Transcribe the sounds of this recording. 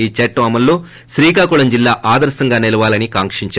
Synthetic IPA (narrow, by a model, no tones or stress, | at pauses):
iːt͡ʃɐʈːʋɐmɐlːoː | ʃɾiːkaːkuɭɐmd͡ʒilːaːʔaːd̪ɐɾsɐŋɡaːnelɐʋaːlɐnikaːŋkʂiɲt͡ʃa